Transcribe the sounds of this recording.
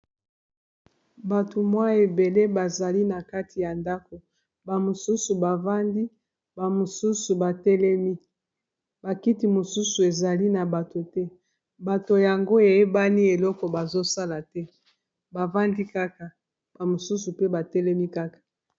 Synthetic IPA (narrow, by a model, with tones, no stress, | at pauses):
ba˨tʰo˨mwa˦e˨be˨le˦ba˨za˨li˦na˨ka˦ti˨ja˨nda˦ko˨ | ba˨mo˨su˦su˨ba˨va˦ndi˦ | ba˨mo˨su˦su˨ba˨tɛ˦lɛ˦mi˦ | ba˨ki˦ti˨mo˨su˦su˨e˨za˨li˦na˨ba˨to˨tɛ˦ | ba˨to˨ja˨ŋɡo˦e˨e˦ba˦ni˦e˨lɔ˦kɔ˨ba˨zo˦sa˦la˨tɛ˦ | ba˨va˦ndi˦ka˦ka˨ | b̥a˨mo˨su˦su˨pe˦ba˨tɛ˦lɛ˦mi˦ka˦kḁ˨